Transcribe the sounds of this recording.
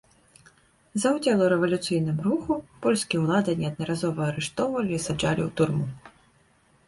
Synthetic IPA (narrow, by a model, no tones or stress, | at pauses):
zɐwd͡zʲɛlˠɐɾɛvɐlʲut̪sɨjnɨmɾuxupɔlʲsʲkʲijɛwlˠad̪ɐnʲɛɐd̪̚nɐɾazɔvɐːɾɨʂt̪ɔwvɐlʲiːsad͡ʐalʲiwt̪urmu